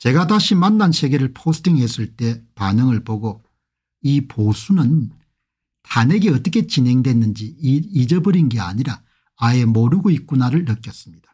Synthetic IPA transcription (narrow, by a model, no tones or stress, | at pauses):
t͡ɕe̞ɡataɕʰimanːansʰe̞ɡe̞ɾɯɭpʰosʰɯ̥tʰiŋɦe̞s͈ɯɭt͈e̞panɯŋɯɭpoɡo | iposʰunɯn | tane̞ɡeʌt͈ʌkʰe̞t͡ɕinɦe̞ŋdwe̞nːɯnd͡ʑiid͡ʑʌbɯɾinɡe̞a̰ɲiɾa | ae̞moɾuɡoik̚k͈unaɾɯɭːʌk͈jʌs͈ɯ̥mɲid̥ḁ